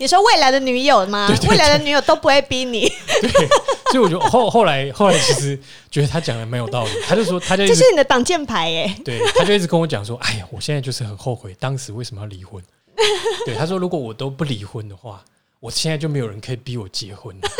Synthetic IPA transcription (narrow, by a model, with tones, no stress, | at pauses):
ni˨˩ʂwɔ˥we˥˩ɪla˧˥ɪd̪ə˧ny˨˧˥jo˨˩ʊma˨e˧˨wwe˥ɪ˧la˧˦ɪd̪ə˧ny˧˥jo˨˩ʊt̪o˥ʊpu˧˥xwe˥˩ɪpi˧˥ni˨˩˦t̪we˥˩sɔ˧˦˥i˨wɔ˨˩t͡ɕɥɛ˧˥˨xo˥˧ʊxo˥˩ʊla˨˧˦ɪxo˥˩ʊla˨˧˥ɪt͡ɕʰi˧˥ʂɻ̩˧˦ | t͡ɕɥɛ˧˦d̪ə˧t̪ʰa˥t͡ɕjɑ˨˩ŋla˨˥ɪme˧˥jo˨˩ʊt̪ɑ˥˩ʊli˨˩tʰa˥t͡ɕjʊʂʂwɔ˥t̪ʰa˥t͡ɕjo˥˧i˥ʂ̩˥˩ni˨˩ə˦t̪ɑ˨˩ŋt͡ɕjɛ˥˩npʰa˧˥ɪe˨˧˦t̪we˧˥˩t̪a˥t͡ɕjo˥˧i˥˩t͡s̬̩ʰ˨kə˦nwɔ˦˥t͡ɕjɑ̰˨˩ŋʂ̬wɔ˦˥ʔa˥˩ɪ˨˩wɔ˨˩ɕjnt͡sa˥˧t͡ɕo˥˧ʊʂɻ̩˥˩xə˨˩nxo˥˧ʊxwe˥˩ɪt̪ɑ˦ŋʂɻ̩˧˦we˥˩ɪsə˧˦mə˦jɑ˥˩li˨˥xwə˦n | we˥˩ɪa˥˩wɔ˥ɻu˧˥kwɔ˨˦wɔ˨˩t̪o˥ʊpu˥˩li˧˨˦xwə˦nd̪ə˨xwa̰˥˩ | wɔ˨˩ɕjɛ˥na˥ɪt͡ɕo˥˩me˧˥ɪo˨˩ə˦nkʰə˧˥i˨˩pi˧˥wɔ˨˩t͡ɕjɛ˧˥xwə˦˥n